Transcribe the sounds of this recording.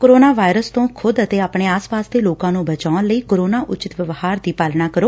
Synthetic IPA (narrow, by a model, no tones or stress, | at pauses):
koːɾoːnaːʋaːɪɾəst̪õːkʰʊd̪ət̪eːaːpɳeːaːspaːsd̪eːloːkãːnũːbət͡ʃaːnləiːkoːɾoːnaːʔʊt͡ʃɪt̪ʋəʋhaːɾd̪iːpaːlnaːkəɾoː